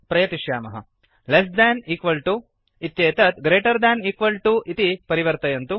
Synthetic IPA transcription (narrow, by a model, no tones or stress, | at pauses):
pɾɐjɐt̪iʃjaːmɐɦɐ̰ | les̬d̪ɛːniːkʋɐlʈu | it̪jeːt̪ɐt̪ɡɾeːʈɐɾd̪ɛːniːkʋɐlʈuit̪ipɐɾiʋɐɾt̪ɐjɐnt̪u